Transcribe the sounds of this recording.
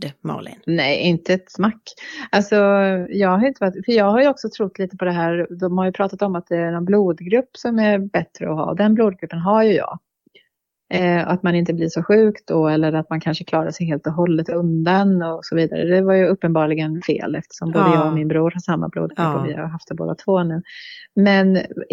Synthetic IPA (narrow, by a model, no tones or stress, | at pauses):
ma̰lɪ̰nnɛjʔɪnt̪əɛt̪smakːalsɔjɑːɡhaɾjɪnt̪əvat̪fœɾjɑːɡhaɾjɵɔksɔt̪ʰɾʊt̪ːliːt̪əpʰɔd̪ɛɦæːɾd̪ɔmhaɾjɵpʰɾɑːt̪at̪ɔmat̪̚d̪ɛæɾɳɔnbluːd̪ɡɾɵpːsɔmæbɛt̪ɾəɔɦɑ̰ːd̪ɛnbluːd̪̚ɡɾɵpːənɦaɾjɵjɑ̰ːɡ | ɔ̰at̪manɪnt̪əblɪʂɔɧʉ̟ːkt̪̚d̪ɔɛlːəɾat̪̚mankʰanʂəkʰlɑːɾaʂɛjɦeːlt̪ɔɦɔlːət̪ɵnd̪anɔsɔviːd̪a̰ɾə̰d̪ɛvaɾjɵɵpːənbɑːɭɪɡənfḛːlɛ̰ft̪ə̥ʂɔmboːd̪əjɑːɡɔmɪnbɾuːɾhaʂamːa̰blṵːd̪̚ɡɾɵpːɔ̰vɪ̰haaɦaft̪ɛbo̰ːd̪at̪ʰvoːnʉ̟ːmɛn